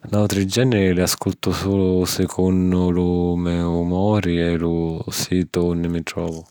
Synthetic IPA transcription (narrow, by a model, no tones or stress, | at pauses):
nalt̪ɾid͡ʒːɛnːɪɾɪlɪaskult̪ʊsuːlʊsɪkʰondʊlʊmɛumɔːɾiɛlʊsiːt̪ʊunːɪmɪt̪ɾɔːvʊ